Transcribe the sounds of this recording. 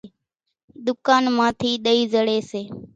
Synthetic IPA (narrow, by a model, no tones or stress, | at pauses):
ɗ̪ʊkaːnmãːt̪ʰiːɗəiːzəɽeːseː